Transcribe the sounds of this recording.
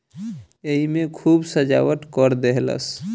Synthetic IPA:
eɦimekʰubsəd͡ʒa̰wət̪kəɾd̪eɦlə̰s

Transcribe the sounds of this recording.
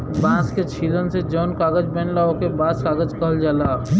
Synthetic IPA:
baːsket͡ʃʰiːlənsed͡ʒɔːnkaːɡəd͡ʒbɛ̃nlaːokebaːskaːɡəd͡ʒkəɦəld͡ʒaːlaː

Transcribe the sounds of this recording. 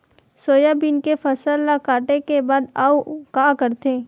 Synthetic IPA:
soːjabɪnkefɐsəlːakaːʈekebaːd̪aːukaːkəɾt̪eː

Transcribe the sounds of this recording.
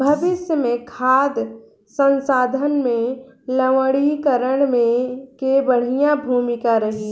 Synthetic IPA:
bʱɐʋɪsjəmẽkʰaːd̪ | sə̃nsaːd̪ʱənmẽləʋəɽikəɾəɽ̃mẽkebəɽ̤ijãbʱuːmɪkaɾɐɦi

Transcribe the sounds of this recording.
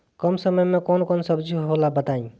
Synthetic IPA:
kəmsəməjmẽkonkonsəbd͡ʒuɦɦolabət̪aĩ

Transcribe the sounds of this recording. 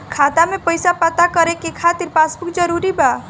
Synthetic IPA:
kʰat̪amepəjsapət̪akəɾekekʰat̪iɾpasbukd͡ʒəɾuɾiba

